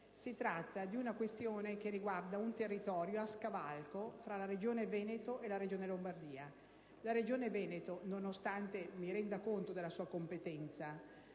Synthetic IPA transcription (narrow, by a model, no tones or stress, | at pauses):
sit̪ɾat̪ːad̪iunakwest̪joːnek̟erːiɡward̪aunt̪erːit̪ɔːɾjoaskavalkofɾalaɾed͡ʒoːnevɛːnet̪oʔelaɾed͡ʒoːnelombard̪iːa | laɾed͡ʒoːnevɛːnet̪ononost̪ant̪emiɾɛnd̪akont̪od̪elasuːakompet̪ɛnt̪sa